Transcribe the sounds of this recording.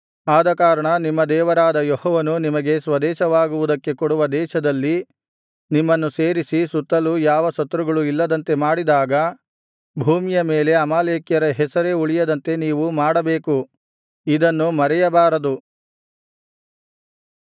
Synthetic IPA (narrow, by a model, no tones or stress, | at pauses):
aːd̪ɐkaːɾɐɳɐnimːɐd̪ɛːʋɐɾaːd̪ɐjɔhɔːʋɐnunimɐɡe̞sʋɐd̪ɛːʃɐʋaːɡuʋud̪ɐkːe̞kɔɽuʋɐd̪ɛːʃɐd̪ɐlːi | nimːɐnːuseːɾisisut̪ːɐlujaːʋɐsɐt̪ːɾuɡɐɭuilːɐd̪ɐnt̪e̞maːɽid̪aːɡɐ | bʱuːmijɐmeːle̞ɐmaːleːkjɐɾɐɦɛsɐɾe̞uɭijɐd̪ɐnt̪e̞niːʋumaːɽɐbeːku | id̪ɐnːumɐɾɛjɐbaːɾɐd̪u